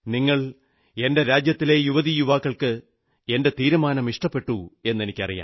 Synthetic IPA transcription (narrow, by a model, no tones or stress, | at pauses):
niŋːɐɭ | e̞nde̞ɾaːd͡ʑjɐt̪ːile̞juʋɐðijuʋaːkːɐɭkɨ | e̞nde̞t̪iːɾumaːnɐmiʂʈɐpːe̞ʈːue̞nːe̞nikʲːɐrija̰ːm